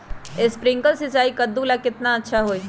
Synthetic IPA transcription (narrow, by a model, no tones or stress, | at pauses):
ɪspɾɪ̃ŋkəlsɪt͡ʃaːikɐd̪ːulakɪt̪naɐtːʃʰaɦoːi